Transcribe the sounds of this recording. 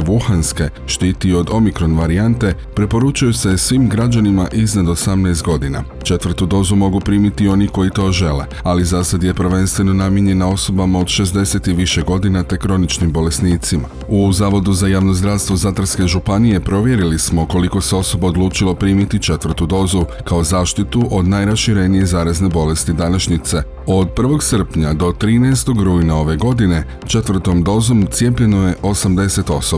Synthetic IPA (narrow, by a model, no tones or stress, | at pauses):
ʋuxanske̞ | ʃt̪iːt̪io̞d̪o̞mikɾo̞nʋaɾiant̪e̞ | pɾepo̞ɾut͡ʃujuse̞sʋimɡɾad͡ʒanimaʔiznad̪o̞samnɛst̪̚ɡo̞d̪ina̰ | t͡ʃe̞t̪ʋɾ̩t̪ud̪o̞ːzumo̞ɡupɾiːmit̪io̞niko̞it̪o̞ːʒe̞lḛ | alizasad̪jepɾ̩ʋe̞nst̪ʋe̞no̞namjeɲe̞nao̞so̞bamao̞d̪ʃe̞zd̪e̞se̞t̪iʋiʃe̞ɡo̞d̪inat̪e̞kɾo̞nit͡ʃnimbo̞le̞sniːt̪sima | uzaːʋo̞d̪uzajaːʋno̞zd̪ɾaʋst̪ʋo̞zat̪r̩ske̞ʒupanijepɾo̞ʋje̞ɾilismo̞ko̞liko̞seo̞so̞bao̞d̪lˠuːt͡ʃilˠopɾiːmit̪it͡ʃe̞t̪ʋr̩t̪ud̪o̞ːzu | kao̞zaːʃt̪it̪uʔo̞d̪najɾasʃiɾe̞nije̞zaːɾazne̞bo̞le̞st̪id̪anaʃɲit̪se̞ | o̞d̪̚pr̩ʋo̞ɡsər̩pɲad̪o̞t̪ɾiːnɛest̪o̞ɡɾuːjnao̞ʋe̞ɡo̞d̪ine̞ | t͡ʃe̞t̪ʋr̩t̪o̞md̪o̞ːzo̞mt̪sije̞p̬ʎe̞no̞je̞ʔo̞samd̪e̞se̞t̪o̞so